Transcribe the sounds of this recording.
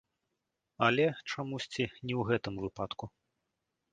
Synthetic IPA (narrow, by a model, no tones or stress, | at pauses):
ɐlʲɛt͡ʂamusʲt͡sʲinʲɛwɣɛt̪ɨmvɨpat̪ku